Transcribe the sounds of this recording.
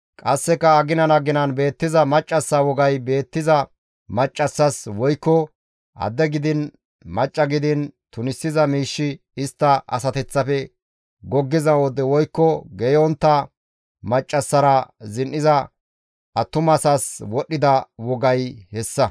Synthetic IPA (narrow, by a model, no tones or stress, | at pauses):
kʼɐsːɛkːɐɐɡɪnɐnɐɡɪnɐnbe̞ːt̪ːɪzɐmɐt͡ʃʼːɐsːɐwɔɡɐjbe̞ːt̪ːɪzɐ | mɐt͡ʃʼːɐsːɐswɔjkːɔ | ʔɐ̰d̪ɛɡɪd̪ɪn | mɐt͡ʃʼːɐɡɪd̪ɪnt̪ʊnɪsːɪzɐmiːʃːɪ | ɪst̪ːɐʔɐ̰sɐt̪ɛt͡sːɐfɛ | ɡɔɡːɪzɐwɔd̪ɛwɔjkːɔɡɛjɔnt̪ːɐ | mɐt͡ʃʼːɐsːɐɾɐzɪnʔɪzɐ | ʔɐt̪ːʊmɐsɐswɔɗːɪd̪ɐwɔɡɐjhɛsːɐ